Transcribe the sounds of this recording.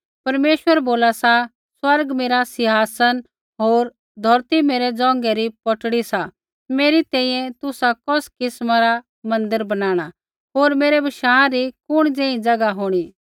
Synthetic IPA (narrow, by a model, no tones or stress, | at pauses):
pɐɾmeːʃwəɾboːlasa | swɐɾɡmeːɾasɪɦaːsən | ɦoːɾ | d̪ʱɐɾt̪imeːɾɛd͡zɔ̃ːŋ̆ɡɛɾipɔʈɽisa | meːɾit̪ɛ̃ːĩjɛ̃t̪ʊsakɔskɪsmaɾa | mɐ̃nd̪əɾbɐnaːɽ̃a | ɦoːɾmeːɾɛbɐʃaːãɾikʊɽ̃d͡zɛ̃ːĩd͡zɐɡaɦoːɽ̃i